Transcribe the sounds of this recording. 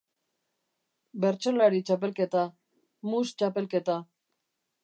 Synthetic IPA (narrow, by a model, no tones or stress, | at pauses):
be̞ɾt͡ʃolaɾit͡ʃap̬e̞lke̞t̪a | must͡ʃape̞lke̞t̪a